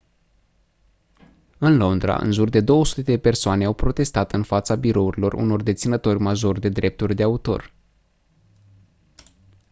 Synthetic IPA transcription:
ɨnlo̞nd̪ɾa̰ʔɨ̰nʒurd̪e̞d̪o̞wəsu̥t̪e̞d̪e̞pe̞rsoane̞awpɾo̞t̪e̞st̪at̪ɨnfat̪sabiɾo̞uɾilo̞rṵno̞rd̪e̞t̪sinət̪o̞rʲmaʒo̞rʲd̪e̞d̪ɾe̞p̚t̪urʲd̪e̞aut̪o̞̰r

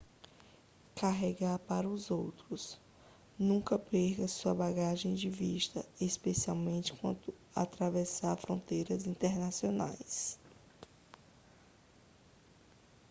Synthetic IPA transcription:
kaɦɛɡaɾpaɾɐʊzowt̪ɾʊs | nũkɐpeɾkɐsuɐbaɡaʒẽj̃d͡ʒɪviʃt̪ɐ̰espesiawmẽnt͡ʃɪ̥kwɐ̰̃nt̪ʊ | a̰t̪ɾavɛsaɾfɾõnt̪ejɾɐzĩnt̪eɾnasiona̰js

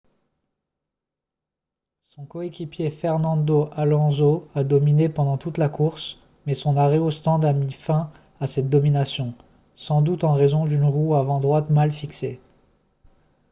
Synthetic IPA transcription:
sɔ̃kɔekʲipjefɛʁnɑ̃d̪oʔalɑ̃zoad̪ɔminepɑ̃d̪ɑ̃t̪ut̪lakuʁs | mɛsɔ̃naʁɛost̪ɑ̃d̪amifɛ̃ | asɛt̪̚d̪ɔminasjɔ̃ | sɑ̃d̪ut̪ɑ̃ʁezɔ̃d̪ynʁuavɑ̃d̪ʁwat̪malfikse

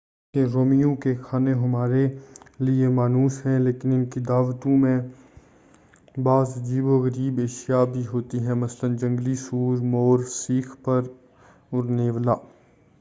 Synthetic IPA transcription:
keɾoːmijõkexʰaːneɦɐmaːɾeliemaːnuːsɦɛ̃leːkɪnɪnkid̪aːʋt̪õmẽ | baːzd͡ʒiːboɣəɾiːbeːʃijabʱiɦoːt̪iɦɛ̃mɐslənd͡ʒɐ̃ŋɡlisuːɾmoːɾsiːkʰpɐɾ | ʊɾneːʋlaː

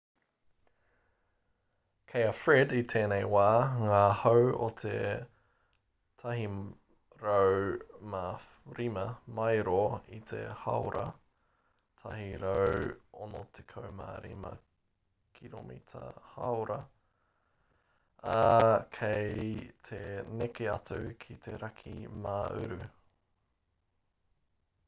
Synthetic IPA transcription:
kʰejɐfɹɛdit̪ʰeːnejwaːŋaːhowo̰t̪ʰe | t̪ʰɐɦi | ɾowmaɾimɐmɐjɾoit̪ʰḛhɐ̰wɾʔɐ̰ | t̪ʰɐɦiɾowonot̪ʰekʰowma̰ɾimɐ̰ | kʰiɾomit̪ʰɐ̰hɐwɾɐ | kʰejt̪ʰenekeɐtʉkʰit̪ʰeɾɐkʰimaːʔʉ̰ɾʉ

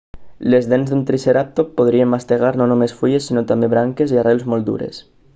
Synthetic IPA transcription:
lezðenzðunt̪ɾiseɾap̚t̪opoð̞ɾiembast̪eɣ̞aɾnonomesfuʎesːinot̪ameβɾaŋkeziarelzmold̪ṵɾḛs

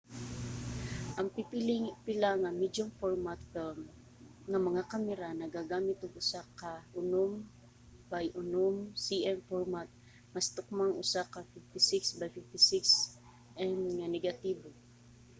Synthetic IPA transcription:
ʔɐŋpipilɪŋpɪlaŋɐmid͡ʒʊmfoɹmat̪fɛm | ŋɐmɐŋakamɛɾanɐɡaɡaːmɪt̪ʊɡʊsakɐʊnom | bajʔʊnomsiʔɛnfoɹmat̪̚ | mɐst̪ʊk̚maŋʊ̰sakɐfɪft̪ɪsɪksbajfɪft̪ɪsɪks | ʔɛnŋanɛɡat̪iːbo

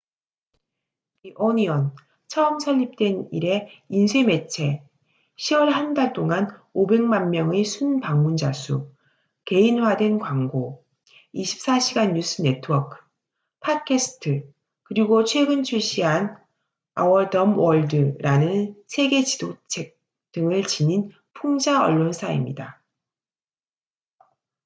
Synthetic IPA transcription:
iʔoniʌn | t͡ɕʰʌɯmsʰʌʎːip̚t͈we̞niɾe̞insʰeme̞t͡ɕʰe̞ | ɕʰiwʌɭɦandaɭt͈oŋanobe̞ŋmanmjʌŋesʰunpaŋmund͡ʑasʰṵ | ke̞inwadwe̞nkwaŋɡo | iɕʰi̥p̚s͈aɕʰiɡanːjus͈ʰɯnetʰɯwʌkʰɯ̥ | pʰakʰesʰɯ̥tʰɯ | kɯɾiɡot͡ɕʰwe̞ɡɯnt͡ɕʰuɕ͈ʰiɦan | a̰wʌɭdʌmwʌɭdɯɾanɯnsʰe̞ɡe̞t͡ɕi̥dot͡ɕʰe̞k̚ | t͈ɯŋɯɭt͡ɕinin | pʰuŋd͡ʑaʌ̰ɭːonsʰaḭmɲḭda

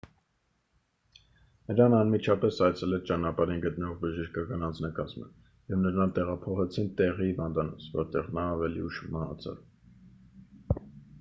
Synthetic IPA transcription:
nəɾɑnɑnmit͡ʃʰɑpɛsɑjt͡sʰɛlɛɾt͡ʃɑnɑpɑɾinɡət̪nəɔʁbəʒəʃkɑkɑnɑnd͡znɑkɑzmə̰ | jɛvnəɾɑnt̪ɛʁɑpʰɔχɛt͡sʰint̪ɛʁihːvɑnd̪ɑnɔt͡sʰvɔ̰ɾt̪ɛʁnɑːvɛlḭuʃmɑhɑ̰t͡sʰɑ̰v

